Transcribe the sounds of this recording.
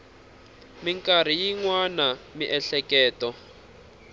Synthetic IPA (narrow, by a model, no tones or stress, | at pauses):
miŋkʼaɾ̤ijiŋwanamiʔɛɬɛkɛːtɔ